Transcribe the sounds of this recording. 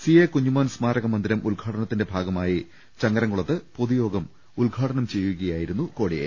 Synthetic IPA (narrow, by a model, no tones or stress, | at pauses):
siekuɲːumaːnsmaːɾɐɣɐmɐnd̪iɾɐmʔulɡʱaːʈɐnɐt̪ːinde̞bʱaːɡɐmaːji | t͡ɕɐŋɡɐɾɐŋɡuɭɐt̪ːɨpoðujo̞ːɡɐm | ulɡʱaːʈɐnɐmt͡ɕe̞jːuɣɐjaːjiɾunːuko̞ːɽijḛ